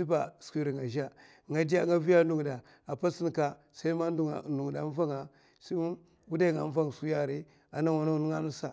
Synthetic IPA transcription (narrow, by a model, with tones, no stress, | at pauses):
si˦ba˨skʷi˦ɾi˨ŋa˨ʒa˦ | ŋa˨di˦a˦ŋɡa˦vi˦ja˦du˨ŋ˨da˨ | a˨pa˦si˦n˨ka˨ | sa˦i˦ma˦dṵ˦˨nu˨ŋ˨da˨˦m˦va˦ŋa˨ | si˦ | wu˦da˦˨ŋa˨˦ɱ˦va˦ŋ˨su˦ja˦ɾi˦ | a˨na˦wa˨na˦nu˦a˦na˦sa˨